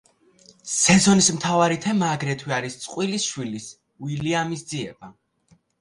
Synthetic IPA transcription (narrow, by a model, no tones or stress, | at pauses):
sɛzɔnismt̪ʰavaɾit̪ʰɛmaːɡɾɛt̪ʰwiaɾist̪sʼqʼwilisʃwilis | wiliamisd̪ziɛba